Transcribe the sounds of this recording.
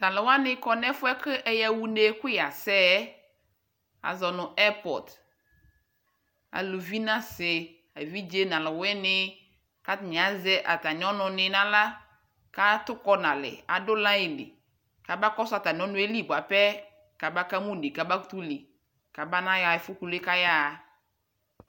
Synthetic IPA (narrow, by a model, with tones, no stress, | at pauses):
nã˨lɪ˨wa˦nɪ˦kɔ˨nɛ˦fʊ˦ɛ˦kɨ˦ʔɛ˦ja˨wu˦ne˦kʊ˦ja˨sɛ˦ | a̰˨zɔ˨nʊ̃˨ʔɛ˦pɔ̰˨d | a̰˨lo˨vi˦nã˦sɪ˨ | a˨vi˦d͡ʒe˦nã˨lɪ˨wɛ˦nɪ˦ | ka˦tnɪ˨a˨˦zɛ˦ʔa˨ta˨n˨˦ɔ˦nʊ˨nɪ˨nã˦la˦ | ka˦tʊ˦kɔ˦na˨lɪ̰˨a̰˨dʊ˦la˦ɪ˨lɪ̰˨ | ka˨ba˦kɔ˦sa˨ta˨n˨ɔ˦nʊ˦e˦li˦˨bʷa˨pɛ˦ | ka˨ba˦ka˦mu˦˨ni˨ka˨ba˦tu˦li˨ | ka˨ba˦na˦ja˨ɪ˨fʊ˦ku˨le˦ka˦ja˦˨